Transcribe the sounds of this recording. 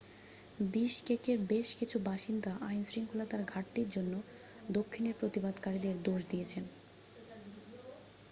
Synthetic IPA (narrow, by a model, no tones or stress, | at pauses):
biʃkekeɾbeʃkit͡ɕʰubaʃind̪aʔajnsɾiŋkʰulat̪aɾɡʱaʈːiɾd͡ʑonːo | d̪okʰːineɾpɾot̪ibad̪kaɾid̪eɾd̪oʃd̪iet͡ɕʰen